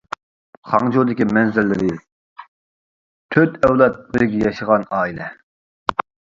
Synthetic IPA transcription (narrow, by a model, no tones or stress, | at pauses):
χɑŋd͡ʒod̪ɪkʲimɛnzɪɾːɪɾɪ | t̪ʰøt̪ɛwlˠɛt̪̚bɪɾɡʲɛjɑʃəʁɑnɑːilɛ